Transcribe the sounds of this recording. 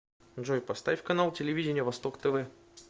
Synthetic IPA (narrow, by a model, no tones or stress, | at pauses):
nʐojpɐst̪avʲɪfʲkɐnalˠtʲɪlʲɪvʲidʲɪnʲɪjəvɐst̪okt̪ɛvɛ